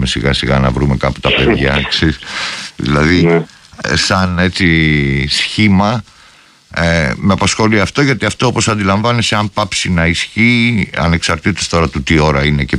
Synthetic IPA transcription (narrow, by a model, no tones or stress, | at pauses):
mesiɣɐsiɣɐ̰nɐvɾume̞kɐpu̥t̪ɐpeðʝɐkseɾisðḭlɐði | sɐne̞t͡sisçimɐ | meɐpɐsxo̞liɐft̪o̞ʝɐt̪iɐft̪o̞opo̞sɐnd̪ilɐɱvɐniseɐmpɐpsinɐisçiːɐ̰ne̞ksɐɾt̪it̪est̪o̞ɾɐt̪ut̪io̞ɾɐine̞ce